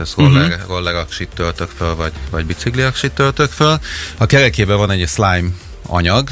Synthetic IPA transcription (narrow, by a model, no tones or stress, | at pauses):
ɛsrolɛrolːɛɾɒkʃit̪ːølt̪økfølvɒɟvɒɟbit̪sikliɒkʃit̪ːølt̪økfølɒkɛɾɛkeːbɛvɒnɛɟslajm | ɒ̰ɲɒɡ